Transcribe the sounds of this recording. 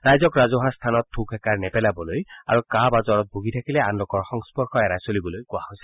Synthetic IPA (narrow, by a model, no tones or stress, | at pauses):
ɾajzɔkɾazoɦast̪ʰanɔt̪ʰːukʰɛkaɹnɛpɛlabɔloja̰ɹukabazɔɾɔt̪̚bʱuɡit̪ʰakileanlokɔɹxɔŋspɔɾkʰɔɛɾajsolibɔlojkwahojsʰi̥